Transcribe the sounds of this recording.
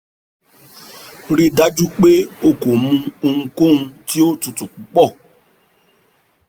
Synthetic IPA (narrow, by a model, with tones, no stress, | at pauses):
ɾi˧da˦d͡ʒu˦k͡pe˦o˦ko˨mũ˧o˧ŋ̩̃˧ko˦˨ũ˧ti˦o˦tũ˧tũ˨k͡pu˨˦k͡pɔ˦˨